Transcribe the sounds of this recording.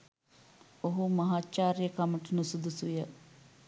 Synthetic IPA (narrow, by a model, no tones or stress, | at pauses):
oɦumɐɦaːt͡ʃaːɾjəkɐməʈənusud̪usujə